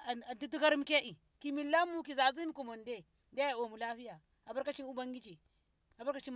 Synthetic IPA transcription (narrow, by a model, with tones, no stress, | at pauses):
a˨ndi˦tu˦ka˦ɾi˦m˦ke˦ʔi˨ | ki˨mi˨lːa˦mːu˦ki˨za˨zi˦n˦ku˨mo˨nde˦ | de˦a˨o˨mu˨la˦fi˦ja˨ | a˨bu˦ɾka˦t͡ʃi˦nu˦ba˦ŋɡi˦t͡ʃi˨ | a˨bu˦ɾka˦t͡ʃi˦